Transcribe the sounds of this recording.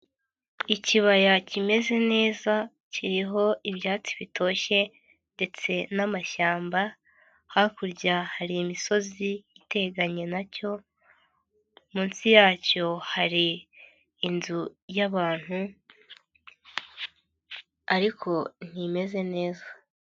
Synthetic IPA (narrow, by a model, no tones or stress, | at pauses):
iciβajacime̞ze̞ne̞ːza | ciɾiɦo̞iβjaːt͡si̥βitʰo̞ːçe̞ | nde̞t͡se̞namaʃaːmba | hakuɾɟahaɾiːmiso̞ziːte̞ɡaɲe̞naco̞ | muːnsijaːco̞haɾiː | nzujaβaːn̥hu | aɾikʰo̞n̥ime̞ze̞ne̞ːza